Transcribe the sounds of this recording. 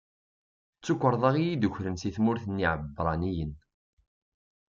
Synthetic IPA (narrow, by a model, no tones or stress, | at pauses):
t͡sːukʷːəɾˤðˤɑʁijid̪uçɾənsiθmʊɾθənːiʕəbːɾˤɑnijən